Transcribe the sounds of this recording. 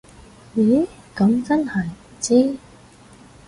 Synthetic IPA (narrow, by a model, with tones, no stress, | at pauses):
ji˨˥ | kɐ˨˥mt͡sɐ˥nhɐ˨˩j̩˨˩t͡siː˥